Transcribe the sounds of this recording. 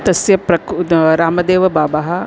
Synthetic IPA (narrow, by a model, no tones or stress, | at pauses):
t̪ɐsjɐpɾɐkɾaːmɐd̪eːʋɐbaːbɐɦɐ